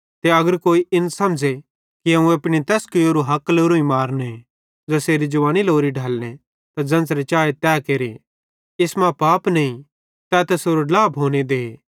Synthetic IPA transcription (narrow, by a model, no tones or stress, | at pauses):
t̪eɐɡəɾkoːiʔɪnsɐmd͡ʒe | kiɦɐ̃ũɐpɽ̃it̪ɛːskɪjoːɾoɦɐkloːɾoĩmaːɾnẽ | d͡ʒɐseːɾid͡ʒʊʋãːniloːɾiɖʱaːlɽ̃ẽ | t̪ad͡ʒɐ̃nsɾet͡ʃaːet̪ɛːkeːɾe | ɪsmãpaːpnɐĩ | t̪ɛt̪ɛsoːɾolaːpɦoːned̪eː